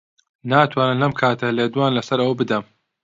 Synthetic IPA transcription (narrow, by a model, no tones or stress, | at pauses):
naːt̪ʰwaːnɨmlɐmkʰaːt̪ʰɐleːd̪uwaːnlɐsɐɾɐwɐbɨd̪ɐm